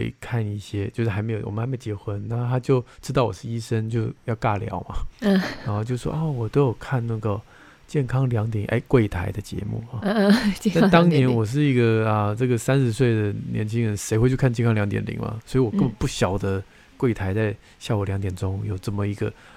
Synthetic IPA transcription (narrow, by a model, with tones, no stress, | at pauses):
e˧˥˩kʰa˥˧ni˥˩ɕjɛ˥t͡ɕjo˥˧ʊʂɻ̩˥xa˧˥ɪme˧˥ɪjo˨˩wɔ̰˨˩˦me˥˩ʊ˩t͡ɕjɛ˧˥xwə˥nna˥˩˥t̪ʰa˥t͡ɕjo˥˩ʊʈ͡ʂʰɻ̩˥t̪̬ɑ˥˩ʊwɔ̰˨˩ʂɻ̩˥˩i˥ʂə˥nt͡ɕjo˥˧ʊjɑ˥˧ʊka˥˩ljɑ̰˨˧˥ʊmɐ̰˨˥˧ɻa˧˥nxo˥˧t͡ɕjo˥˧ʂʂwɔ̰˥ɑ˥˩wɔ˨˩t̪o˧˥jo˨˩ʊkʰa˥˧nna˥˩ɡə˩ | t͡ɕjɛ˥˩nkʰɑ˥ŋljɑ˧˥ŋt̪jɛ˨˩˦nʔḛ˥˩ɪkwe˥˩ɪt̪ʰa˧˥ɪd̪ə˧t͡ɕjɛ̰˧˥mṵ˥˩˥a˥˩t̪ɑ˥ŋnjɛ˧˥nwɔ˨˩ʂ̬ɻ̩˥˩i˥ɡə˨ɐ˧ʈ͡ʂɤ˥˩ɡə˩sa˥nʂɻ̩˧˥s̬we˥˩ɪd̪ə˩njʔɛ̰˧˥nt͡ɕʰi˥ŋɻə˧˥nʂe˧˥ɪxwe˥˧t͡ɕo˥˧kʰa˥˧t͡ɕjnkʰɑ˥ŋljɑ˧˥ŋt̪jɛ̰˧˥nlḭ˨˩˦ŋmɐ̰˨˩swɔ˧˥i˧wɔ˨˩ə˥˩bə˨˩npu˥˩ɕjɑ˨˩ʊd̪ə˦ | kwe˥˩ɪt̪ʰa˧˥ɪt͡sa˥˧ɪ | ɕja˥˩u˨˩ljɑ˧˥ŋt̪jɛ˨˩nʈ͡ʂʊ˥ŋjo˨˩ʊʈ͡ʂɤ˥˩mə˩i˧˥ɡə̰˧